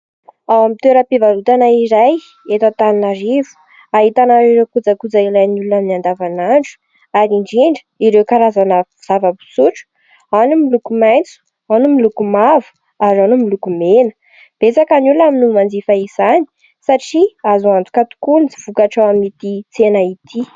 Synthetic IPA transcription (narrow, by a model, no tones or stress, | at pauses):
awamit̪eɾapivalut̪anaiɾaj | et̪at̪aninaɾivu̥ | aɦit̪anaɾiɾewkud͡zakud͡zaiɾajnulunaminiand̪avanaɳɖ͡ʐu̥ | aɾiɳɖ͡ʐiɳɖ͡ʐə̥iɾewkaɾazanə | z̥avabu̥suʈ͡ʂə̥ | anumilukumajnt͡su̥ | anumilukumavu̥ | aɾanumilukumenə̥ | b̥et͡sakanuluaminumand͡zifaiz̥ani̥ | saʈ͡ʂiazuant̪u̥kat̪u̥kunit͡siv̥ukaʈ͡ʂaamit̪it͡senait̪ʰi